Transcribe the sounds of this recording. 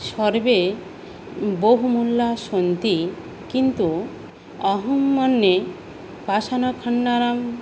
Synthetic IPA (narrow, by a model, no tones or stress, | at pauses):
ʃɔɾbe | boɦumulːaʃont̪i | kint̪u | ɔɦumːɔnːe | pasanɔkʰɔɳːaɾam